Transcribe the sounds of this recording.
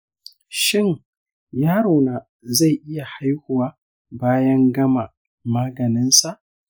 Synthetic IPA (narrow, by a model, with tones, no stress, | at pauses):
ʃɪ˦˨ŋ | jaː˦ɾoː˨naː˨ | za˦˨jʔɪ˦ja˨ha˦jhʊ˨waː˦ | baː˦jɐ˦ŋɡɐ˦ma˨ | maː˦ɡɐ˨nɪ˦nsa˨ʔ